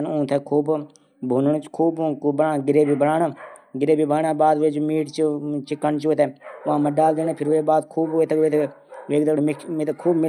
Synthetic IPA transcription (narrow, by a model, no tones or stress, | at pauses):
nʊ̃ːt̪ʰeːkʰuːb | bʱuːnɳːt͡ʃkʰuːbkːbəɾaːɡɪɾeːbʱiːbəɾaːɳaːɡɪɾeːbiːbaːɳaːbaːd̪ʋeːd͡ʒoːmiːʈt͡ʃt͡ʃɪkːəɳt͡ʃoːt̪eːʊãːməɖaːld̪eːneːpʰɪɾʋeːbaːd̪kʰuːbeːt̪ʰekeːt̪ʰe | ʋeːkd̪əɽmɪket̪ːkʰuːbmɪ